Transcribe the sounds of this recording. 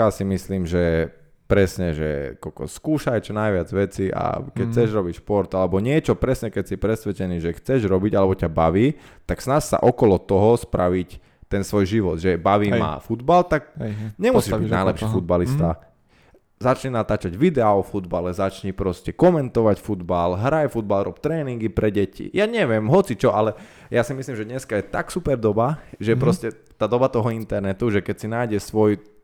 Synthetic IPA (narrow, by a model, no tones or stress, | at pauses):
jasimisliːmʒɛ | pɾɛsɲɛʒɛ̰kɔkɔ̰skuːʃajt͡ʃɔnajʋɪad͡zʋɛt͡siʔa̰kɛc̚t͡sɛʒɾɔbicʃpɔɾt̪alɛbɔɲɪɛt͡ʃɔpɾɛsɲɛkɛcsipɾɛsʋɛt͡ʃɛniːʒɛxt͡sɛʒɾɔbiɟalɛbɔcabaʋiːt̪aksnassa̰ʔɔkɔlɔt̪ɔɦɔspɾaʋic | t̪ɛnsʋɔjʒiʋɔd̪ʒɛbaʋiːma̰fud̪balt̪ak̚ɲɛmusiːʒbiɟnajlɛpʃifud̪balistt̪a | zat͡ʃɲɛnat̪aːt͡ʃaɟʋid̪ɛaɔfud̪balɛzat͡ʃɲipɾɔscɛkɔmɛnt̪ɔʋacfud̪balɦɾajfud̪̚balɾɔːp̚t̪ɾɛːniŋɡipɾɛɟɛcḭjaɲɛʋɪɛmɦɔt͡sit͡ʃɔʔalɛ | jasimislimʒɛd̪ɲɛskajɛt̪a̰ksupɛɾd̪ɔbaʒɛpɾɔscɛ | t̪aːd̪ɔbat̪ɔɦɔint̪ɛɾnɛt̪uʒɛkɛcsinajɟɛsʋɔj